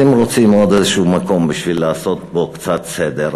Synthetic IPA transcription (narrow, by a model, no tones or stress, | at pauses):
imlot͡simeod̪ezeʃuumako̞mbiʃvilːaːso̞t̪̚bokt͡sat̪sed̪eɾ